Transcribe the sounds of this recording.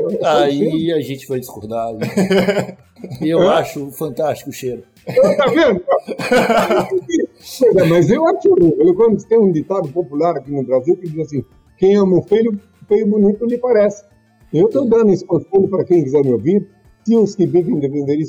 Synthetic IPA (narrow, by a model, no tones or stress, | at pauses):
aiɐʒẽnt͡ʃɪ̥vajd̪ɪskoɾd̪aali | ewɛ̃aʃʊfɐ̃nt̪ast͡ʃi̥kʊʃeɾʊ | et̪avẽnd̪ʊa | ki | ozɐmɐzewaʃoielwkwɐ̃nd̪ʊse̥t̪ẽj̃ũd̪it̪abʊpopulaɾakinʊbɾaziwkɪd̪izasĩ | kẽj̃ãmõfilʊ | fejʊbʊnit̪ʊmɪpaɾɛsɪ̥ | ewt̪owd̪ɐ̃nd̪ʊispõfelʊpaɾɐkẽj̃kizɛɾmɪoviɾ | sĩʊskɪvivẽj̃d̪epẽnd̪eɾis